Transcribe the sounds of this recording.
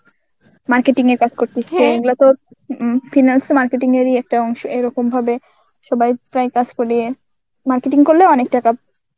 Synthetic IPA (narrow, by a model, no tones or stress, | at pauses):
maɾkeʈiŋeɾkad͡ʑkoɾt̪iseeɡulat̪o | finalsmaɾkeʈiŋeɾiɛk̚ʈaɔŋʃoeɾɔkombʱabe | ʃɔbajpɾajkad͡ʑkoɾie | maɾkeʈiŋkoɾleɔnek̚ʈaka